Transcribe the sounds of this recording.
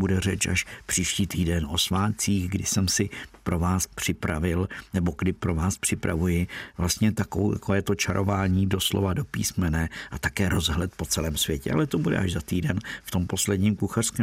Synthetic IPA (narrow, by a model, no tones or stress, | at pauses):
budɛrɛt͡ʃaʃpr̝̥iːʃciːt̪iːdɛno̞svaːt̪t͡siːɣɡdɪsɛmsɪpɾo̞vaːspr̝̥ɪpɾavɪlnɛboɡdɪpɾo̞vaːspr̝̥ɪpɾavujɪvlast̪ɲɛt̪akoowja̰kovɛːt̪o̞t͡ʃaɾʔo̞vaːɲiːdo̞slovado̞pḭːsmɛnɛːʔat̪akɛːɾo̞zɦlɛt̪̚po̞t͡sɛlɛːmsvjɛcɛ̰ʔa̰lɛt̪obudɛ̰ʔaʒzat̪iːdɛnft̪o̞mpo̞slɛdɲiːmkuxar̥skɛːm